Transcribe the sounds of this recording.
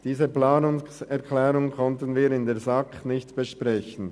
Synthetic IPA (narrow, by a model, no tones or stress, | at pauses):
d̥iːzəplaːnʊŋsɛɐkʰlɛːɾʊŋkʰɔntənviːɾɪndeːɐzɑknɪçtb̥əʃpʁɛçən̩